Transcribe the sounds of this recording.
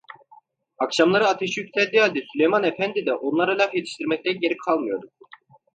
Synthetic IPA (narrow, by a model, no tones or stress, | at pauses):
akʃamlˠaɾɯat̪ʰeʃjycʲt̪ʰɛd̪ːialʲd̪ɛsylʲe̞jmanefænd̪id̪ɛʔo̞nlˠaɾalʲafjet̪ʰi̥ʃt̪ʰiɾmɛc̚t̪ænɟe̞ɾikʰalˠmɯjo̞ɾd̪u